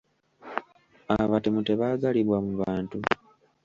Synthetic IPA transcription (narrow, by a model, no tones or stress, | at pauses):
aβatemuteβazaliβwamuβaːntu